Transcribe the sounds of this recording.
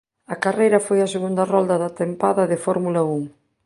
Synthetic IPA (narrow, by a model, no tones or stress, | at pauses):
ɐkarejɾɐfojɐseɣund̪ɐrɔld̪ɐðɐt̪empaðɐðɪfɔɾmulɐuŋ